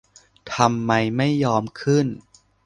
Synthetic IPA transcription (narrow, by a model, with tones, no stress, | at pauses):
t̪ʰa˧mːa˧jma˥˩jːɔː˧mkʰɯ˥˩n